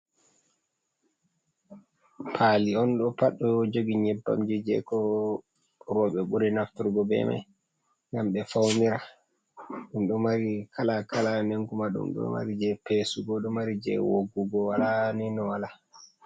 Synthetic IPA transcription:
pʰaːliɔnɗɔpaɗɔjɔd͡ʒoɡiɲɛbːa̰md͡ʒid͡ʒɛ̰kɔ | ɾɔɓɛɓuɾinaftuɾɡɔbɛ̰ma̰j | ŋɡamɓɛfawmiɾa | ɗumɗɔmaɾikʰalakalaneŋkumaɗṵmɗɔ̰ma̰ɾid͡ʒɛpesuɡɔɗɔmaɾid͡ʒɛ̰woɡuɡɔwalaninɔwala

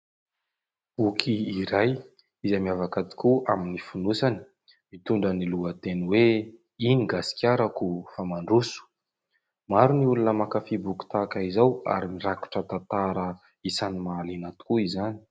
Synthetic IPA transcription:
b̥ukʰiːɾaj | izamiavakat̪i̥kuʔaminifunusani̥ | mit̪uɳɖ͡ʐəniluət̪eniwe | iniɡasi̥kʲaɾakufamaɳɖ͡ʐusu̥ | maɾuniulunəmakafibuki̥t̪akaizawa̰ɾimiɾaku̥ʈ͡ʂət̪at̪aɾə | isanimaːlinat̪u̥kuizani̥

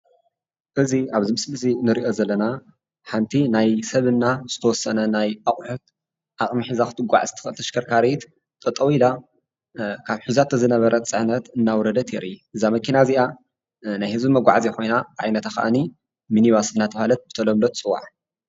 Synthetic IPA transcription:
ʔɨziaβzimɨslɨsʼinɨɾiʔo̞zɐlːɐna | ħant̪ʰinajsɐβɨnːaz̥ɨt̪ʰɐwɔsːɐnɐnajʔaχʼħut̪ | ʔaχʼmiħɨzakɨ̥t̪ʰʼɨɡʷa̰ʕzt̪ʰɨ̥ɨlt̪ʰɐʃkʰɐɾkʰaɾit̪ | t̪ʼɐt̪ʼːɐwila | kʰaβħuzat̪ʰɐzɨnɐβɐɾʔɐt͡sʼɨʕnɐt̪ɨnːawɔɾɐd̪ɐt̪ʰɛɾʔiʔɨzamɐkʰinaziʔa | najhɨzbimɐɡʷaʕziko̞jnaʕa̰jnɐt̪axɐ̰ʔani | miniβasɨnːat̪ʰɐβhalɐt̪̚b̥ɨt̪ʰɐlomlot̪t͡sʼɨwa̰ʕħ

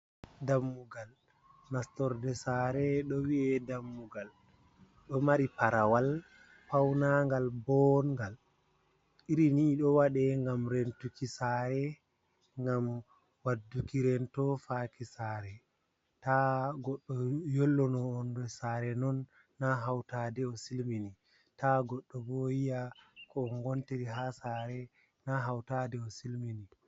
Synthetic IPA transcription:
damːuɡal | nastɔɾdɛsaɾɛɗɔwiɛdamːuɡal | ɗɔmaɾipaɾawal | pawnaŋɡalbɔŋɡal | iɾiniɗɔwaɗɛŋɡamɾentukisaɾɛ | ŋɡam | wadːukiɾɛntɔfakisaɾɛ | taɡɔɗːɔjolːɔnɔːndɔsaɾɛnɔnː | aɦawtadɛɔsilmini | taɡɔɗːɔbɔjijakɔːnɡɔntiɾiɦasaɾɛ | naɦawtadɛɔsilmini

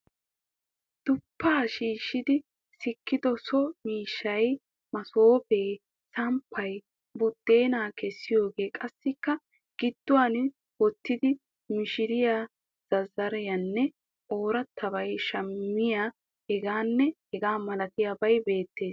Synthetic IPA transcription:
d̪̥ʊpːaːʃiːʃːɪd̪ɪ | sɪkːɪd̪ɔsɔmiːʃːɐj | mɐsoːfe̞ː | sɐmpʰːɐj | bʊd̪̥ːe̞ːnaːkɛsːɪjo̞ːɡe̞ːkʼɐsːɪkːɐ | ɡ̥ɪd̪̥ːʊwaːn | wɔt̪ːɪd̪ɪ | mɪʃɪɾɪjaː | z̥ɐzɐɾjɐnːɛ | ʔo̞ːɾɐt̪ʰːɐbɐjʃɐmːɪja | hɛɡaːnːɛhɛɡaːmɐlɐt̪ɪjabɐjbe̞ːt̪ːe̞ːs

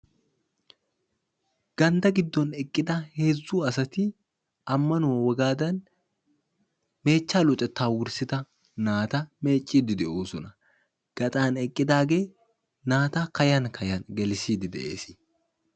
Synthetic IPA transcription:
ɡ̥ɐnd̪ɐɡɪd̪ːɔnɛkʼːɪd̪ɐhezːuːɐsɐt̪ɪ | ʔɐmːɐnʊmɐwɐɡaːd̪ɐn | me̞ːt͡ʃːaːlʊt̪ʼɛt̪ːaːwʊɾsɪt̪ɐ | naːt̪ame̞ːt͡ʃʼːiːd̪ɪd̪ɛʔuːsʊnɐ̥ | ɡ̥ɐt̪ʼaːnɛkʼːɪd̪aːɡeː | naːt̪aːkɐjɐŋkʰɐjɐnɡɛlɪsiːd̪ɪd̪ɛ̰ʔeːsɪ̥

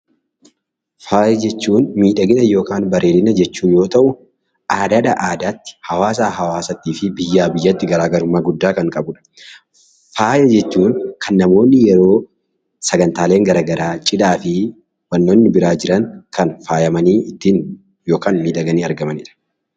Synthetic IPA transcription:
faːjɐd͡ʒɛt͡ʃːuːnmiːᶑɐɡɪnɐjo̞ːkaːnbɐɾeːlɪnɐd͡ʒɛt͡ʃːuːjo̞ːt̪ɐʔʊ | ʔaːd̪ɐᶑɐʔaːd̪aːt̪ːɪ̥hɐwaːs̬aːɦɐwaːsɐt̪ːiːfɪbɪjːaːbɪjːɐt̪ːɪɡɐɾaːɡɐɾʊmːaːɡʊd̪ːaːkɐŋkʼɐbʊᶑɐ̥ | faːjɐd͡ʒɛt͡ʃːuːŋkʰɐnːɐmo̞ːnːɪjɛɾo̞ː | sɐɡɐnt̪aːle̞ːŋɡɐɾaɡɐɾaːt͡ʃʼɪd̪aːfɪ | wɐnːoːnːɪbɪɾaːd͡ʒɪɾɐŋkɐnfaːjɐmɐniːɪt̪ːiːn | jo̞ːkaːnmiːᶑɐɡɐniːɐɾɡɐmɐnḭːᶑɐ̥

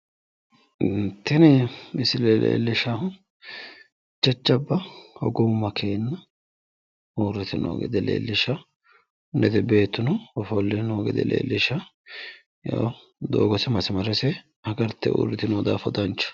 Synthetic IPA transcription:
ɪnt̪ːɪnɪɪsɪleːlʔḛːlːɪʃahʊ | t͡ʃɐt͡ʃːɐbːɐhɔɡʊmːɐkʰeːnːɐ | uːɾɛt̪ɪnʔo̰ːɡɛ̰d̪ɛlḛːlːɪʃɐ | nɛt̪ɛbe̞ːt̪ːʊnɔɔfɔlːɛnoːɡɛ̰d̪ɛ̰lḛːlːɪʃɐ | jo̰ː | d̪o̰ːɡɔsɪmɐsɪmɐɾɛsɛ | ɐɡɐɾt̪ːɛ̰ʔṵːɾːɪt̪ɪnoːd̪a̰ːfɔd̪ɐnt͡ʃːʊ̥

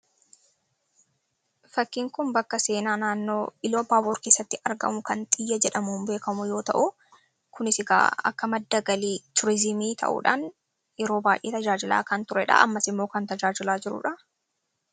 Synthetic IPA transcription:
fɐkːɪŋkʊmbɐkːɐse̞ːnaːnaːnːo̞ːɪloːbaːboːɾke̞ːsːɐt̪ːɪʔɐɾɡɐ̰mʊkɐnt̪ʼɪjːɐd͡ʒɛᶑɐmumbeːkɐmʊjo̞ːt̪ɐ̰ʔʊ | kʊnɪsɪɡa̰ːɐ̰kːɐmɐd̪ːɐɡɐliːt̪ʊɾɪzɪmiːt̪ʰɐ̰ʔṵːᶑa̰ːn | jɛɾo̞ːbaːjʔeːt̪ɐd͡ʒaːd͡ʒɪla̰ːkɐnt̪ʊɾɛᶑɐ̰ɐ̰mːɐsɪmːo̞ːkɐnt̪ɐd͡ʒaːd͡ʒɪlaːd͡ʒɪɾʊ̰ᶑɐ

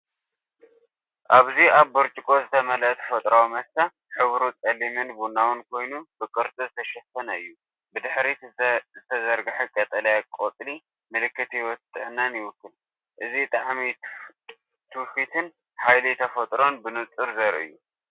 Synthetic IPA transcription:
ʔaβziaβːɨɾt͡ʃʼɪkʼo̞zɨt̪ʰɐmɐlɐt̪ʰfɐt̪ʼɾawmɐsa | ħɨβɾut͡sʼɐlimɨnbunːawɨnkʰo̞jnubɨkʼɨɾt̪ʼɨzɨt̪ʰɐʃɐt̪ːɐnɐɨjːu | bɨd̪ɨħɾizɨt̪ʰɐzɐɾɡɨħɨkʼɐt̪ʼɐlɐjakʼot̪ʼli | mɨlɨkːɨt̪jwɔt̪ʼɨɨnːanjɪwʊkːɨl | ʔɨzit̪ʼaʕmi | t̪ʰɨfit̪ʰɨn | ħajlit̪ʰɐfɐt̪ʼɾo̞nbɨnɨt͡sʼɨɾzɐɾʔɨ̰jːu

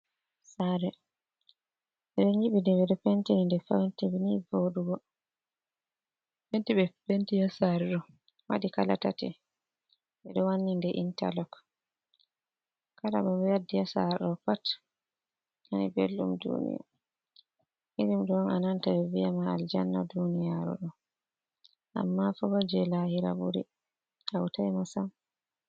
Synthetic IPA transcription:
saɾɛ | ɛɗɔɲiɓidɛbɛɗɔpentinindɛfa̰wntɛbinivoduɡɔ | pentiɓɛpentijɔsaɾɛɾɔ | ma̰dikala̰ta̰tḭ | ɓɛɗɔwanːindɛʔinta̰lɔk | kalababɛwadːijasaɾɗɔpat | anḭbḛlːumdṵnḭja̰ | ʔid͡ʒimdɔnanantabɛvijamaald͡ʒanːa̰dunijaɾɔ̰ɗɔ | ʔa̰mːafɔbad͡ʒɛlahiɾa̰bṵɾḭ | hawtajmasam

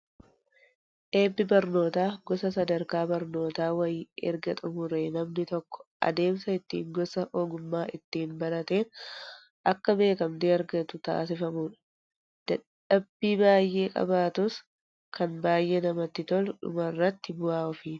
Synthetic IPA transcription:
ʔe̞ːbːɪbɐɾno̞ːt̪aːɡɔsɐsɐd̪ɐɾkaːbɐɾno̞ːt̪aːwɐjɛ̰ɾɡɐt̪ʼʊmʊɾeːnɐmnɪt̪ɔkːɔ̥ʔɐ̰d̪e̞ːmsɐɪt̪ːḭːŋɡɔsɐʔoːɡʊmːaːʔɪt̪ːiːnbɐnɐt̪eːn | ʔɐkːɐbe̞ːkɐmd̪eɐɾɡɐt̪ʊt̪a̰ːs̬ɪfɐmuːᶑɐ̥ | d̪̥ɐᶑ | ɐbːiːbaːjʔe̞ːkʼɐ̰baːt̪ʊs | kʰɐnbaːjʔeːnɐmɐt̪ːɪt̪ɔlᶑʊ̰mɐrːɐt̪ːɪbʊaːɔfiː

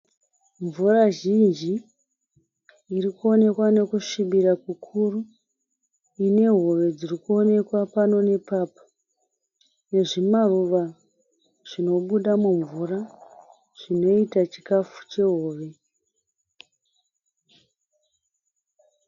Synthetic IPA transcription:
ɱvuraʒind͡ʒi | rikuo̞ne̞kwane̞kuʂiɓiɾakukʰuru | ine̞ɦo̞ʋe̞d͡zirikuo̞ne̞kwapano̞ne̞paːpḁ | ne̞ʐimaruʋa | ʐ̥ino̞ɓuɗamuɱvura | ʐ̥ino̞itat͡ʃi̥kafu̥t͡ʃe̞ɦo̞ːʋe̞

